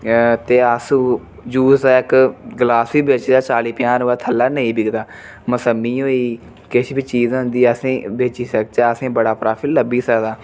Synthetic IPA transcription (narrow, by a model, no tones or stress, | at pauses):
t̪eːəs | d͡ʒuːaːɪkɡəlaːsʋiːbeːt͡ʃd̪aːt͡ʃaːliːpjãːnoːaːt̪ʰəlːaːnəĩːbɪɡd̪aː | məsəmːiːɦoːiː | kɪʃbiːt͡ʃiːzɦʊ̃nd̪iːəsẽːbeːt͡ʃiːsək̚t͡ʃaːəsẽːbəɽaːpɾaːpʰilːəbiːsəkd̪aː